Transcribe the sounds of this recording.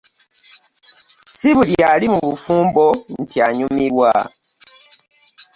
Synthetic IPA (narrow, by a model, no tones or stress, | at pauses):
siβuljalimuβufuːmbon̩tiaɲumiɾwa̰